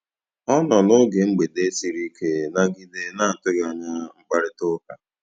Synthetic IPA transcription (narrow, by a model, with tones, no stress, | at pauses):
ɔ˦nɔ˨nʊ˦ɡe˨ŋ͡m̩˦ɡ͡be˨de˦si˨ɾi˦kʰe˦na˦ɡɪ˦de˦na˦˨n̩˨tʊ˦ɡa˨ɲa˦ŋ͡m̩˦ɡ͡ba˦ɾɪ˦tʊ˦ka˨